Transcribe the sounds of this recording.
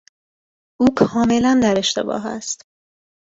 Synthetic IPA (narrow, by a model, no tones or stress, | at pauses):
ʔuːkʰɒːme̞lænd̪æɾe̞ʃt̪e̞̰bɒ̰ːɦæ̰st̪